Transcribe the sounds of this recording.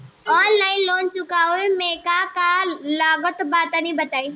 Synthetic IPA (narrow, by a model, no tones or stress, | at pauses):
ɔːnlaːɪnloːnt͡ʃʊkauemeːkakalaːɡət̪baːt̪anĩbɐt̪aːĩ